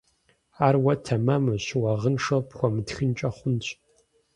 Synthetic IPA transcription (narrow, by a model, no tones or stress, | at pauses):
aːrwɐtʰɐmamɨɕwɐʁənʂɐpχʷɔmɨtxɨnt͡ʃʼɐχʷʊnt͡ɕʰʼ